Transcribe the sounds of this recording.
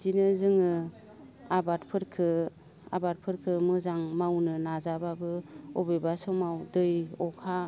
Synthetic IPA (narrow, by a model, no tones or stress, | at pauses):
zinɯzɯŋɯ | abatpʰɯɾkʰɯ | a̰bat̚pʰɯɾkʰɯmɯzaŋmawnɯnazababɯɔbebasɔmawdɯjɔkʰa